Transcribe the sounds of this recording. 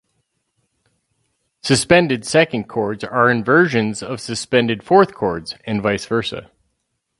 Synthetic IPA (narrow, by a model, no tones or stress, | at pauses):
sɨspɛ̃ndɨdsɛkɨ̃n̩kʰɔɹdzə˞ɨ̃nvɜ˞ʒɨ̃nzʌv̥sɨspɛ̃ndɨd̥fɔɹθkʰɔɹdz̥ɨ̃nvaɪsv̥ɜ˞sə̰